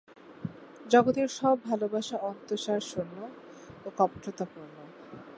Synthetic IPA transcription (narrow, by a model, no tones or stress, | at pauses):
d͡ʑɔɡot̪eɾʃɔbbʱalobaʃaɔnt̪oʃaɾʃonːo | okɔpʈot̪apuɾno